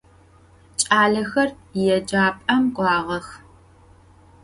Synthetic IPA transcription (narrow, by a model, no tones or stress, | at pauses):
t͡ʃʼaːɮɐxɐrjɛd͡ʒaːpʼɐmqʷɑːʁɐx